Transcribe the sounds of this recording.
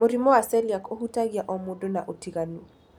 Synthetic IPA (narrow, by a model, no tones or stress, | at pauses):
moɾimɔasɛljakohutaɡiaʔɔmodonaʔotiɣanu